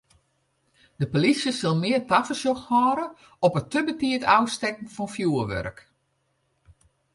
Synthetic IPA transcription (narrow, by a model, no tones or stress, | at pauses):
dəpolisjəsɪlˠmɪːərtafəsjɔxhɔːɾə | ɔpətəbətiətʰawstɛk̚n̩fɔnfjuːəʋø̰rk